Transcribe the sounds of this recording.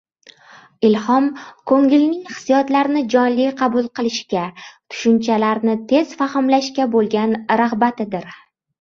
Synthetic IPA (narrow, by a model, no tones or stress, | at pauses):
ɪlhɒmkʰoŋɪlnɪŋhɨ̥sijɒt̪laɾnɪd͡ʒɒnlɪjqʰɑbʊlˠqɨlˠɪʃkʲat̪ʰʊ̥ʃʊnt͡ʃʰalaɾnɪt̪ʰe̞zfahɪmlaʃkʲabolˠɡʲanɾahbat̪ʰɪd̪ɪɾ